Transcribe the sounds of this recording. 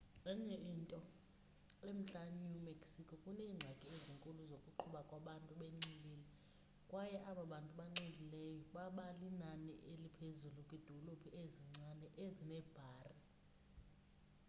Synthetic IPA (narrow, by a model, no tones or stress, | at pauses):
ɛŋɛintʼɔ | em̩t͡ɬʼanumekʰʼsikʰɔkʼuneːŋ͡ǀʱakʼieziŋkʼuluzokʼuǃʰuɓakʼwaɓantʼuɓeŋ͡ǀilini | kʼwajɛʔaɓaɓantʼuɓaŋ͡ǀendʱilɛjɔɓaɓalinanḭʔelipʰezulukʼid̥ʱɔlobʱiʔeziŋ͡ǀanɛʔezinɛːb̥ʱaːri